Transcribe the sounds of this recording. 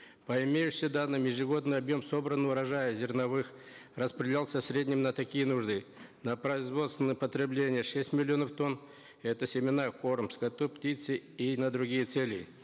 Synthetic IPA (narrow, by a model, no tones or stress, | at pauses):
pəɪmʲejʉɕʲəd̪anːɨmjɪʐɨɡo̞d̪nɨjɐbjo̞mso̞bɾənɨʊɾɐʐajəzʲɪrnɐvɨx | rəspɾʲɪdʲɪlʲalˠsʲəfsʲɾʲedʲnʲɪmnət̪ɐkʲijənuʐd̪ɨ | nəpɾəɪzvo̞t̪st̪vʲɪnəjpət̪ɾʲɪblʲenʲɪjəʂɛsʲtʲmʲɪlʲːɪo̞nəft̪o̞n | ɛt̪əsʲɪmʲɪnako̞rmskɐt̪uptʲit̪sɨinəd̪ɾʊɡʲijət̪selʲɪ